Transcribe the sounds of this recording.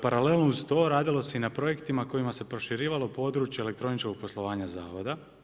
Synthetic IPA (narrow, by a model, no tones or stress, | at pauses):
paɾalelˠnoust̪o̞ːɾaːd̪ilˠo̞seinapɾo̞je̞kt̪imako̞imase̞pɾo̞ʃiɾiːʋalˠopo̞ːd̪ɾuːt͡ʃjele̞k̚t̪ɾo̞nit͡ʃkoɡ̚poslˠo̞ʋaːɲaza̰ːʋo̞d̪a